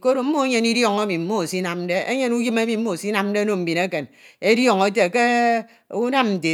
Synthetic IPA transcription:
ko˦ɾo˨m̩˦mo˦e˦ɲe˦ni˦djɔ˨ŋe˦mi˨m̩˦mo˦˨si˦na˨m˦de˦ḛ˦ɲe˦nu˦ji˦me˦mi˨m̩˦o˦˨si˦na˨m̩˦de˦no˨m̩˨bi˨ne˦ke˨ne˦djɔ˦˨ŋe˦te˨ke˦ | u˦na˦mn̩˨te˨

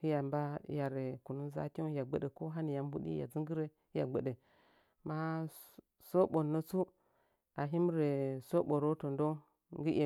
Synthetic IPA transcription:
hi˦ja˨mba˦ja˨ɾe˨ku˨nu˦nza̰˦kʲo˦ja˨ɡ͡be˦ɗe˨ko˦ɦa˦ni˨ja˨m˦bu˦ɗḭ˦ja̰˨d͡zi˦ŋɡi˦ɾe˦ | i˦ja˨ɡ͡be˨ɗe˨ | ma˦ | so˦ɓo˨nːo˦t͡su˦ | a˨ɦi˦m˦ɾe˨so˦ɓo˨ɾo˦to˨ndo˦ŋ | ŋɡi˦ʔe˨

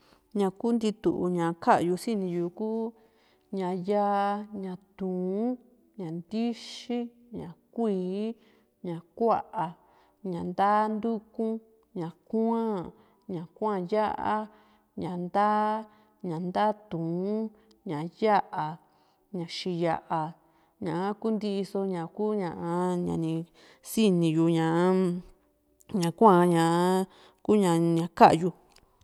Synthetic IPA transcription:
ɲã˧ku˦nd̪i˧t̪u˨ʔu˧ɲã˨kʰa˦ʔju˧si˦nĩ˧juː˨kuː˦ | ɲã˨ja˦ʔa˧ɲã˧t̪ũː˨˦ | ɲã˨nd̪i˦ʃi˦ | ɲã̰˨kʷiː˨˦ | ɲã˨kʷa˦ʔa˨ | ɲã˨nd̪a˦nd̪u˦kũ˦ | ɲã˨kã˦ | ɲã˨kʷã˦˨ja˦ʔa˧˦ | ɲã˨nd̪aː˦ | ɲã˨nd̪aː˦t̪ũ˨˦ | ɲã˨ja˦ʔa˨ | ɲã˨ʃi˧ja˧ʔa˨ | ɲã˨ʔa˦ku˦nd̪i˧so˧ɲã˨kuː˦ɲã˨ʔa˧ɲã̰˨˧nĩ˧ | si˦nĩ˧ju˧ɲã˨ʔa˦ | ɲã˨kʷã˦˧ɲã˨˦ | ku˦ɲã˧˨ɲã˨ka˦ʔju˧

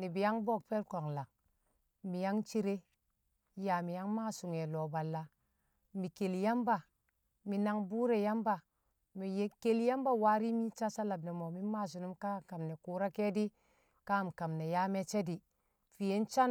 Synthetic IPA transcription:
ni˨bi˨ja˦ŋbo˦k̚pe˦lko˨ŋla˨ŋ | mi˨ja˦ŋt͡ʃi˦ɾe˦ | ja˨mi˨ja˦ŋma˦su˨ŋe˨lo˨ba˨lːa˨ | mi˨ke˨lja˦mba˨ | mi˨na˨ŋbu˦ɾe˨ja˦mba˨ | mi˨˦ke˨lja˦mba˦˨wa˦ɾi˦mi˦t͡ʃa˦sa˦la˨bne˨mo˨mi˦mːa˦˨s̬u˨nu˦mka˦˨ka˨mne˨ku˨ɾa˦ke˦di˦ | ka˦˨m˨ka˨mne˨ja˦me˦t͡ʃe˦di˨ | fi˨je˦nt͡ʃa˦n

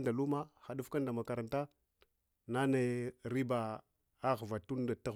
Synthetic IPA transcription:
nda˨lu˦ma˦xa˨ɗu˦fka˦nda˨ma˨ka˨ɾa˨nta˦ | na˦ne˨ɾi˦ba˨ | a˦ɣva˨tu˦n˦da˨ta˦

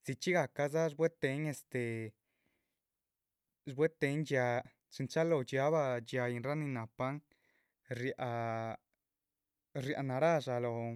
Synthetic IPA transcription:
z̥i˨˧t͡ʃi˦ɡa˨ka˧za˦ʐbwe˦t̪e˧˦ɲe˧st̪e˨ | ʐbwe˦t̪e˧˦nd͡ʒja˧ | t͡ʃi˨˧nt͡ʃa˦lo˧d͡ʒa˦βa˧d͡ʒja˧ji˧nɾa˦ni˧na˨pa˦ŋ | ɾja˧ʔ | ɾja̰˧na˨ɾa˦ʐa˧lo˨

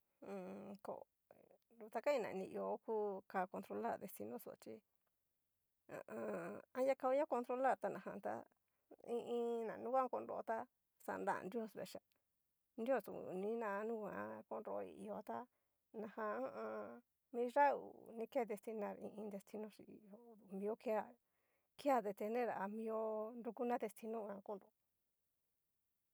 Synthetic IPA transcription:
ko̰˨ | ɾu˨˧t̪a˧ka˦ĩ˧nã̰˨˧nĩ˧˨i˧o˧˦ku˦ka˧ko˧nt̪ɾo˧la˦˨ɾd̪e˧st̪i˧nõ˦so̰˧˨t͡ʃi˧ | ã̰˧ã˧ã˦ja˦ka˧u˦ɲã˦ko˧nt̪ɾo˧la˦˨ɾt̪a˧nã˨hã˧t̪a̰˧ | ĩ˧ʔĩ˧nã˨nũ˦kʷã˦ko˧nɾo˧o˧t̪a˦ | sa̰˧˨nd̪a̰˦˨˧ndi˦o˦˨sβḛ˨ʃa˧˨ | nd̪i˦o˦˧˨sṵ˨nĩ˦nã˧nũ˦kã̰˧˦˧ko˧nɾo˧ḭ˧˨i˧o˧˨t̪a˦ | nã˨hã˧a˦ʔã˧ | mĩ˧˦ʐa˦ṵ˨nĩ˦ke˦d̪e˧st̪i˧nã˧˨ɾḭ̃˧ʔĩ˧nd̪e˧st̪i˧nõ˧˦ʂḭ˧˨o˧d̪u˧˨mĩ˧o˦ke˦a˧˨ | ki˦a˦d̪e˧t̪e˧nẽ˦ɾa˨ʔa˧mĩ˧o˦nɾu˧ku˦nã˦d̪e˧st̪i˧nõ˦˧ã˧ko˦˨nɾo˨o

